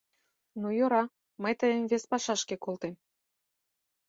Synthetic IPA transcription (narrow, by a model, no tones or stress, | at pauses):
nujoɾɑ | məjt̪əjəmvespɑʃɑʃkekolt̪em